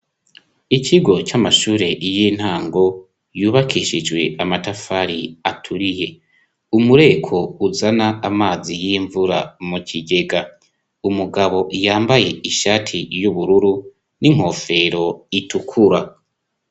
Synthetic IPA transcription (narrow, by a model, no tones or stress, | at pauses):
iciɡo̞t͡ʃamaʃuːɾe̞ʔijin̥haːŋɡo̞ | juːβakʰiʃid͡ʒɡwe̞amatafaɾiatʰuɾije̞ | umuɾe̞kʰo̞uzanaːmaːzijiɱvuɾa̰muciɡe̞ɡa | umuɡaβo̞ʔjaːmbaje̞iʃaːtʰijuβuɾuɾu | niŋ̥ho̞ːfe̞ɾo̞itukʰuɾa